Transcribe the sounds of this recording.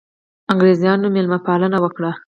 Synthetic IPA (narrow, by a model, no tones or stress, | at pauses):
aŋɡɾezijɑnomelmapɑlənawəkɽa